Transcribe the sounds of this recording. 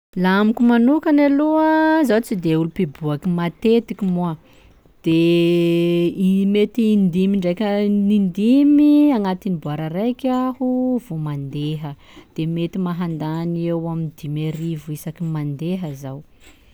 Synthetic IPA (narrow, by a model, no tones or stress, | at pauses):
laamikʲumanukanaluzawt͡sid̪eulupibuakimat̪et̪ikʲimua | d̪̥e | imet̪iːnd̪imiɳɖ͡ʐejkʲənind̪imiaŋat̪inibuaɾərajkʲahuv̥omand̪eɦə | d̪̥emet̪imaɦand̪aniewamind̪imeɾivuisakimand̪eɦəzaw